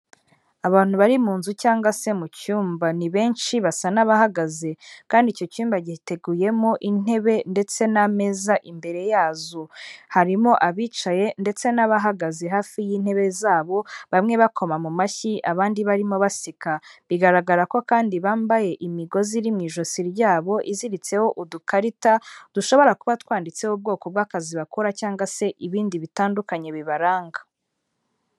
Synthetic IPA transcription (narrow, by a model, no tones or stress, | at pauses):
aβaːn̥huβaɾimuːnzucaːŋɡwase̞mucuːmbaniβe̞ːnʃiβasanaβahaɡaze̞kaːndico̞cuːmbaɟite̞ɡuːje̞mo̞ʔin̥e̞βe̞nde̞t͡se̞name̞zaʔimbe̞ɾe̞jaːzuhaɾimo̞ʔaβiːt͡ʃaje̞nde̞t͡se̞naβaɦaɡaze̞ɦaːfijiːn̥he̞βe̞zaːβo̞βamŋe̞βakʰo̞mamumaçiʔaβaːndiβaɾimo̞βasikaβiɡaɾaɡaɾako̞kaːndiβaːmbaje̞ʔimiɡo̞ziɾimŋiːʒosiɾjaːβo̞ʔiziɾit͡se̞ho̞ʔudukaɾitad̥uʃo̞βo̞ɾakuβatwaːndit͡se̞hob̚ɡo̞ːko̞b̚ɡaːkaziβakuɾacaːŋɡwase̞ʔiβiːndiβitaːndukaɲe̞βiβaɾaːŋɡḁ